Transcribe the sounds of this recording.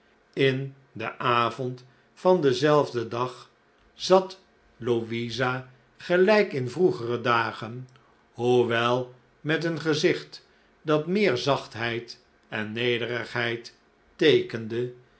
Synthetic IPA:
ɪn | dəʔaːvɔnt | fɑndəzɛlˠvdədɑχ | z̥ɑt | loʋiza | χəlɛjkɪnvruχərədaːχən | huʋɛlˠ | mɛtənχəzɪχt | dɑtmɪːɹzɑχtɦɛjt | ɛnːejdərəχɦɛjt | tejkəndə

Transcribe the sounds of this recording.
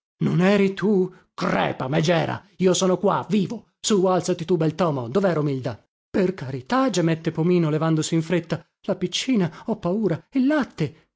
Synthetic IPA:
nonɛːɾit̪u | krɛ̰ːpamed͡ʒɛːɾa̰ | iːosɔːnokwa̰viːvo | sualt̪sat̪it̪ubɛlt̪ɔːmo̰d̪ovɛːɾaumild̪a | perkaɾit̪ad͡ʒamɛt̪ːepomiːnolevand̪osiiɱfɾet̪ːa | lapit͡ʃːiːnaɔpːauːɾailːat̪ːe

